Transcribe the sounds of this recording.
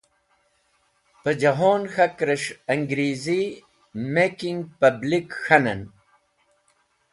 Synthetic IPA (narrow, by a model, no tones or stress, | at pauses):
pɐd͡ʑɐɦoːnxɐkɾɐʂɐŋɡɾiːzi | mekiŋɡpɐblikxɐnɐn